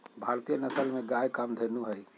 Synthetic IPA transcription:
bʱaɾt̪ijənəsəlmeɡajkamd̪ʱenuɦəj

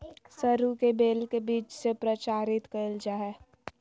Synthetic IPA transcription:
səɾukebeːlkebiːt͡ʃsepɾət͡ʃaːɾɪt̪kəld͡ʒaːɛː

